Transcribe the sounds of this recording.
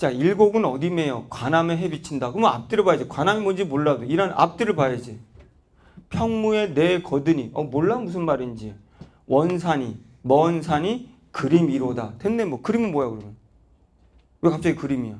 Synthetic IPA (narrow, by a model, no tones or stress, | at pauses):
t͡ɕaiɭɡoɡɯnʌdime̞jokwanameɦe̞bit͡ɕʰindakɯɯmʌnap̚t͈ɯɾɯɭpajed͡ʑikwanamimʌnd͡ʑimoɭːadoiɾanʔa̰p̚t͈ɯɾɯɭpajad͡ʑi | pʰjʌŋmue̞ne̞kʌdɯɲiʌmoɭːamusʰɯnmaɾind͡ʑi | wʔʌnsʰaɲi | mʌnsʰaɲi | kɯɾimiɾodatendemwʌkɯɾimɯnmojakɯɾʌmjʌn | wekap̚t͡ɕ͈aɡikɯɾimijo